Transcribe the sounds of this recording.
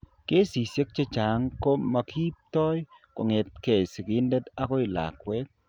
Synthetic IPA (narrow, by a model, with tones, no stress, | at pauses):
ke˦si˨sje˦k̚t͡ʃe˦t͡ʃa˨ŋko˦ma˨kʰi˦p̚t̪ɔ˦jko˨ŋe˨t̚ke˨si˨ki˦nde˦ta˦kɔ˦ɪ˨la̰˨kwɛ˦k̚